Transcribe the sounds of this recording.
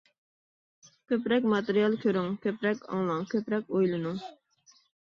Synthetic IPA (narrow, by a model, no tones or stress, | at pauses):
kʲʰøpɾɛk̬ʲmɑt̪eɾijɑlˠkʲʰøɾyŋkʲʰøpɾɛkʲɑ̰ŋlˠɑŋkʲøpɾɛkʲojlˠɨnu